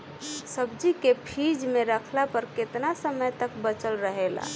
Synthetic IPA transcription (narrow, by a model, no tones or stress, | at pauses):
səb̚d͡ʒikepʰid͡ʒmeɾəkʰlapəɾket̪nasəməjt̪əkbət͡ʃəlɾəɦela̰